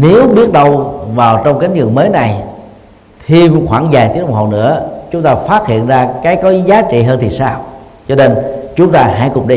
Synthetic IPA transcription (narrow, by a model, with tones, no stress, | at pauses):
ne˨˦wɓi˦˥ət̚ɗə˧wvaː˨˩wt͡ɕɔ˧wŋ͡mkaː˨˦jŋɨ̰˨˩əŋməː˨˦jna˨˩j | t̪ʰi˧˩˧xwaː˧˩nzaː˨˩jt̪i˦˥t̚ʔho̰˧˨˩nɨ̰˧˥ət͡ɕʊ˨˦ŋ͡mt̪aː˧faː˦˥t̚hḭ˧˨ənzaː˧kaː˨˦jkɔ˨˦zaː˨˦t͡ɕḭ˧˨ɦəː˧nt̪ʰi˨˩saː˧w | t͡ɕɔ˧ne˧nt͡ɕʊ˨˦ŋ͡mt̪aː˧ɦa̰ː˧˥˩jkʊ˨˩ŋ͡mɗi˧